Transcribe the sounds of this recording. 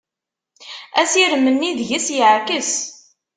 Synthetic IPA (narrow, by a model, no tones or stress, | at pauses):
æsiɾmːənːiðʝəsjəʕkəs